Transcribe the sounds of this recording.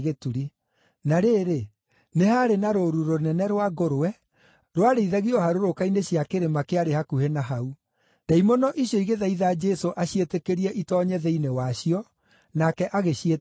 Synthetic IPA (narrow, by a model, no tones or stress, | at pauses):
ɣetuɾi | naɾeːɾe | nehaɾenaɾoɾuɾonɛnɛɾwaɡoɾoɛ | ɾwaɾeiðaɣiɔhaɾoɾokaineɕjakeɾemakeaɾehakuhenaɦau | d̥aimɔnɔʔiɕjɔiɣeðaiðaːd͡ʒɛsoʔaɕietekeɾiɛʔitɔːɲɛðɛinewaɕiɔ | nakɛʔaɣeɕie